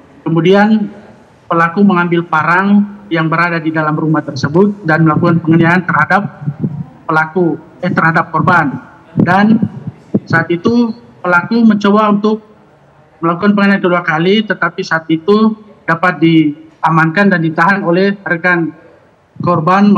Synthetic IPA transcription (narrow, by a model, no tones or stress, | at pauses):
kəmudian | pəlakuməŋambɪlpaɾaŋjaŋbəɾadadidalamrumaht̪ərsəbʊt̪̚danməlakukanpəŋəniaant̪ərhadap̚ː | əlaku | ɛht̪ərhadap̚kɔrban | dan | saːt̪it̪upəlakuməɲt͡ʃobaunt̪ʊk̚ | məlak̬ukanpəŋəniankəduakalit̪ət̪apisaːt̪it̪u | dapat̪̚diamankandandit̪aɦanolɛhɾəkan | kɔrban